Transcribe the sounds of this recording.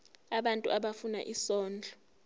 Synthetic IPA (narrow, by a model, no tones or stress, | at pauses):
aɓantʼṵʔaɓafuna̰ʔisɔːnd͡ɮʱɔ